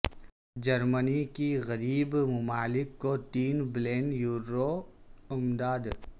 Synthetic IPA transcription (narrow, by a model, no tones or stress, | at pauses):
d͡ʒɐɾmənikiɣɐɾiːbmʊmaːlɪkːot̪iːnbleːnjuːɾoʊmd̪aːd̪